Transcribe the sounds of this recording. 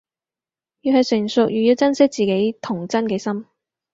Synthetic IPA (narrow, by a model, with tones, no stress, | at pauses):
jyː˧ɦɐ˨jsɪ˨˩ŋsʊ˨k̚jyː˨˩ji˧wt͡sɐ˥nsɪ˥k̚t͡siː˨ke˨˥jt̪ʰʊ˨˩ŋt͡sɐ˥nkɛː˧sɐ˥m